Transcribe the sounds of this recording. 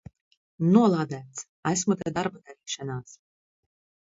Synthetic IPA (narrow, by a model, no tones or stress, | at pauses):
nuɔlˠaːd̪æːt̪s | æsmut̪ad̪aɾbad̪aɾiːʃanaːs